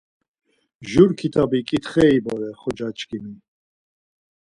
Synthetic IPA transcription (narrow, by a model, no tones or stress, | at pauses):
ʒuɾkʰit̪ʰabikʼit̪χɛibɔɾɛχɔd͡ʒat͡ʃʰʼkimi